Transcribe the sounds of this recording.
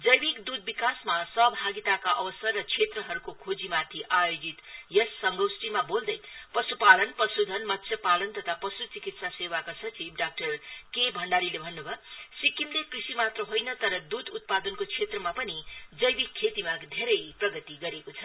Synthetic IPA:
d͡zʌjbikd̪ud̪̚bikasmasʌɦbʱaɡit̪akaʔʌbʌsʌrːʌt͡sʰet̪rʌɦʌɾukokʰod͡zimat̪ʰiʔajod͡zit̪jʌsːʌŋɡowsʈimabold̪ʌjpʌsupalʌnpʌsud̪ʱʌnmʌt̪ːsʰjepalʌnt̪ʌt̪ʰapʌsut͡sikit̪sasewakasʌt͡sibɖak̚ʈʌrkebʱʌɳɖaɾilebʱʌnːubʱʌsikːimlekrisimat̪rʌɦojnʌt̪ʌɾʌd̪ud̪ut̪̚pad̪ʌnkot͡sʰet̪rʌmapʌnid͡zʌjbikʰːet̪imaɡd̪ʱeɾʌjprʌɡʌt̪iɡʌɾekot͡sʰʌ

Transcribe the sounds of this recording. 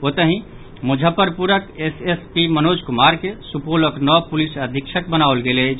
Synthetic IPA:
ot̪əɦĩ | mud͡ʒʱəpəɾpuɾəkesespimənod͡ʒkumaɾkesupoləknɔpulisəd̪ʱikʃʰək̚bənaolɡelɛt͡ʃʰ

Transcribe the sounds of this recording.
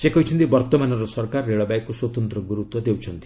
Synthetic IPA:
d͡ʒekɔijt͡ʃʰʌnt̪ibʌɾt̪ɔmanɔɾɔsɔɾkarːeɭɔbajkːoswɔt̪ɔnt̪ɾɔɡuɾut̪wɔd̪ewt͡ʃʰʌnt̪i̥

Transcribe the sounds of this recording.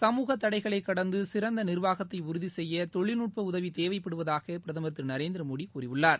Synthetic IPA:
sɐmuːɣɐt̪ːɐɽɐɪɣɐɭɐɪkːɐɽɐnd̪ɯsɪɾɐnd̪ɐnɪɾʋaːɣɐt̪ːɐɪʊɾʊðisɛjːɐt̪ɔɭːɪnuːʈ̚pɐʊðɐʋit̪eːʋɐɪpːɐɽɯʋɐðaːɣɐpɪɾɐðɐmɐt̪ːɪɾnɐɾeːnd̪ɪɾɐmoːɽikkuːrɪʋɯɭːaːɾ

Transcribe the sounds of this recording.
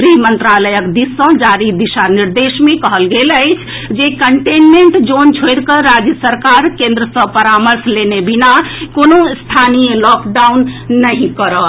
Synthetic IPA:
pɾimənt̪ɾaləjəkd̪isə̃d͡ʒaɾid̪iʃaniɾd̪esmẽkəɦəlɡeləɪt͡ʃʰ | d͡ʒekəɳʈenmeɳʈd͡ʒont͡ʃʰojɾkəɾad͡ʒjəsəɾkaɾkẽnd̪ɾəsə̃pəɾaməɾslenebinakonost̪ʰanijəlɔkɖaunːəɦĩkəɾə

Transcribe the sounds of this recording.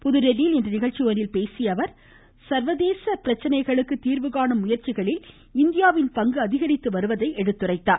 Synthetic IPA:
pʊðɯɾɛɾilɛndrɯnɪɣɐɻt͡ʃːioːnɪlpeːsɪjɐʋɐɾ | sɐɾʋɐðeːsɐpɪɾɐt͡ʃːɐnɐɪɣɐɭɯkːɯt̪iːɾʋɯɣaːɳɐmːʊjɐɾt͡ʃɪɣɐɭɪl | ɪnd̪ɪjaːʋɪnpɐŋɡɯɐðɪɣɐɾɪt̪ːɯʋɐɾɯʋɐðɐɪʔɛɽɯt̪ːɯrɐɪt̪ːaː

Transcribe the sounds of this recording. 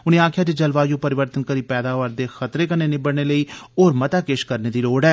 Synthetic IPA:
ʊnẽːaːkʰjaːd͡ʒed͡ʒəlʋaːjõːpəɾɪʋəɾt̪ənkəɾiːpɛːd̪aːʋəɾd̪eːxət̪ɾeːkəneːnɪbəɽneːləiːoːɾmət̪aːkeʃkəɾneːd̪iːloːɖɛː

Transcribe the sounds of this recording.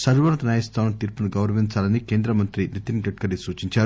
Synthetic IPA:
sɐɾʋɐnɐt̪ɐnaːjɐst̪ʰaːnɐmt̪iːɾpɐnuɡɐwɾɐʋiɲt͡ʃaːlɐnikeːnd̪ɾɐmɐnt̪ɾinit̪inɡɐʈ̚kɐɽisuːt͡ʃiɲt͡ʃaːɾu

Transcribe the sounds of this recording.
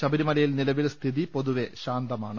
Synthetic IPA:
ɕɐbɐɾimɐlɐjilnilɐʋilst̪ʰiðipo̞ðuʋe̞ɕaːnd̪ɐmaːɳɨ

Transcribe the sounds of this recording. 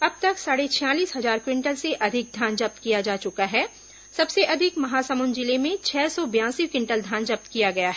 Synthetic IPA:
ɐb̚t̪ɐksaːɽet͡ʃʰjãːliːsɦɐzaːɾkwɪ̃ɳʈəlseʔɐd̪ʱɪk̚d̪ʱãːnd͡ʒɐp̚t̪kijad͡ʒaːt͡ʃʊkaɦɛː | sɐbseʔɐd̪ʱɪkmɐɦaːsəmund͡ʒɪlemẽt͡ʃʰɛːsɔbjãːsikwɪ̃ɳʈəld̪ʱãːnd͡ʒɐp̚t̪kijaɡɐjaɦɛ

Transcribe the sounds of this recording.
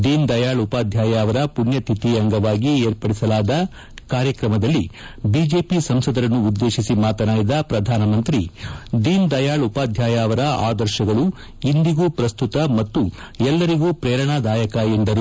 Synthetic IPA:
d̪iːnd̪ɐjaːɭupaːd̪ʱjaːjaːʋɐɾɐpunjɐt̪ʰit̪iɐŋɡɐʋaːɡieːɾpɐɽisɐlaːd̪ɐ | kaːɾjɐkɾɐmɐd̪ɐlːi | biːd͡ʒeːpisɐmsɐd̪ɐɾɐnːuːd̪ːe̞ːʃisimaːt̪ɐnaːjid̪ɐpɾɐd̪ʱaːnɐmɐnt̪ɾid̪iːnd̪ɐjaːɭupaːd̪ʱjaːjaːʋɐɾɐaːd̪ɐɾʃɐɡɐɭu | ind̪iɡuːpɾɐst̪ut̪ɐmɐt̪ːu | ɛlːɐɾiɡuːpɾɛːɾɐɳaːd̪aːjɐkɐend̪ɐɾu

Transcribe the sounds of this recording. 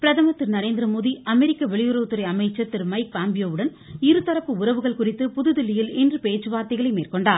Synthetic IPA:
pɪɾɐðɐmɐt̪ːɪɾnɐɾeːnd̪ɪɾɐmoːðiʔɐmɛɾɪkːɐʋɛɭɪjɯɾɐʋɯt̪ːɯɾɐɪɐmɐɪt͡ʃːɐɾt̪ːɪɾmɐɪk̚paːmbɪjoːʋɯɽɐn | ɪɾɯt̪ːɐɾɐpːɯʊɾɐʋɯɣɐɭkʊrɪt̪ːɯpʊðɯðɪlːɪjɪlɛndrɯpeːt͡ʃːɯʋaːɾt̪ɪɣɐɭɐɪmeːrkɔɳɖaːɾ

